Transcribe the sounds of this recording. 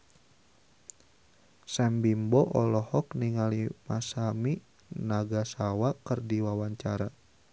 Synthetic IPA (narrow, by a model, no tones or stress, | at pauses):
sɛmbimbɔʔɔlɔhɔkniŋalimasami | naɡasawakərdiwawaɲt͡ʃaɾa